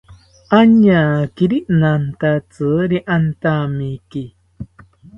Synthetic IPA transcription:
ʔaɲakiɾiʔnant̪at͡sɨɾiʔant̪amiki

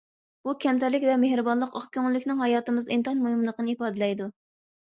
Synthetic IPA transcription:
b̥ukʲʰɛmt̪æɾlɪkʲvɛmehɾɨbɑnlˠəqɑχkʲʰøŋlːɪkʲnɪŋhɑjɑːt̪ɨmɨzint̪ɑnmoɦimlˠəqənɨipɑːd̪ɨlɛjd̪u

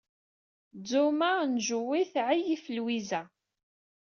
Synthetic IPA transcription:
d͡zumanʒəwiθʕijifəlwizæ

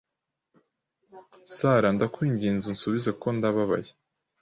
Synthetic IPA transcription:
saɾandakwiːɲɟiːnzun̩suβizako̞ndaβaβa̰je

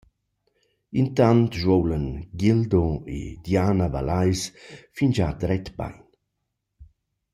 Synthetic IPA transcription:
int̪ant̪ʒwowlənɡild̪oḛd̪jaːnava̰lajsfind͡ʒad̪ɾɛt̪ba̰jn

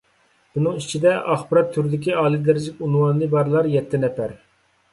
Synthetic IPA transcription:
b̥unɨŋit͡ʃʰid̪ɛʔɑχbɨɾɑt̪ʰːyɾd̪ɪkʲiɑːlˠid̪eɾɪd͡ʒɪkʲunwɑnlˠɨbɑɾlˠɑɾjɛt̪ʰːɪnɛpæɾ

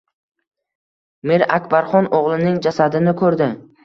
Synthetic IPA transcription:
meɾakʲbaɾχɒnoʁlˠɪnɪŋd͡ʒasad̪ɪnɪkʰɵɾd̪ɪ

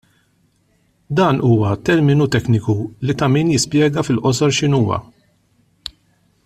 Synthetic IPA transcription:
d̪ɐːnʔuːwɐt̪ɛɾmɪnut̪ɛknɪkulit̪ɐmiːnjɪspjɛːɡɐfɪlʔɔsɔɾʃɪnuːwɐ̰

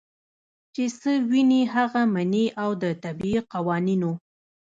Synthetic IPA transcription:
t͡ʃesəwiniɦaɣamaneʔawd̪ət̪abiiqawɑnino

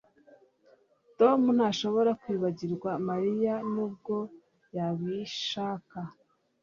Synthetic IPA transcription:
to̞mun̥haʃo̞βo̞ɾakwiːβaɟiɾɡwamaɾijanuːb̚ɡo̞ | jaβiʃaːka

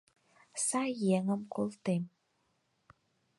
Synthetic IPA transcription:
sajeŋəmkʊlt̪em

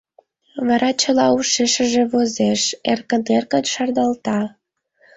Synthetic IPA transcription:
βɑɾɑt͡ɕə̆lɑuʃeʃəʒeβozeʃerkənerkənʃɑrd̪ɑlt̪ɑ

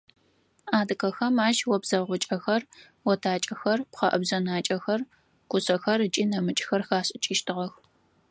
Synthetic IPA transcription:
aːdɨkɐxɐmaːʃwɔbzɐʁʷʊt͡ʃʼɐxɐr | wɔtʰaːt͡ʃʼɐxɐrpʷχɐʔɐbzɐnaːt͡ʃʼɐxɐr | kʷʰʊsɐxɐrɨt͡ʃʼiːnɐmɨt͡ʃʼxɐrxaːɕʼɪt͡ʃʼiːʃtʰɨʁɐx

